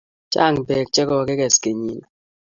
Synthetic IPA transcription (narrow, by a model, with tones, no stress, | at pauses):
t͡ʃa̰˦˨ŋbɛ˨k̚t͡ʃɛ˦kɔ˦˨ke˦kɛ˨ske˨ɲi˦n˨